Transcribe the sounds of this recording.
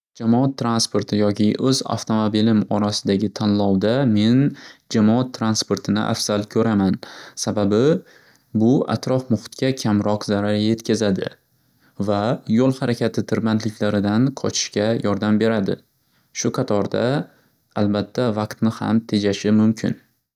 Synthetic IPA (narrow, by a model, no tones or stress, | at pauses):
d͡ʒamɒat̪ʰːɾanspoɾt̪ʰɪjɒkʲɪʔɵza̰ft̪ʰo̞mobilɪmɒɾasɪd̪aɡʲɪt̪ʰanlˠɒwd̪ame̞nd͡ʒamɒat̪ʰːɾanspo̞ɾt̪ʰɪnɪ̰ʔa̰fz̥alkʲʰɵɾamansababɪ | bʊa̰t̪ʰɾɒfmʊχʊ̥t̪kʲakʲʰamɾɒqzaɾaɾje̞t̪kʲazad̪ɪ̰ | vajolˠhaɾakʲʰat̪ʰɪt̪ʰɪɾbant̪lɪkʲʰlaɾɪd̪anqʰɒt͡ʃʰɪ̥ʃkʲajɒɾd̪ambe̞ɾad̪ɪ̰ | ʃʊqʰɑt̪ʰɒɾd̪a | albat̪ʰːavɑqt̪nɪha̰mt̪ʰe̞d͡ʒaʃɪmʊmkʲʰɪ̰n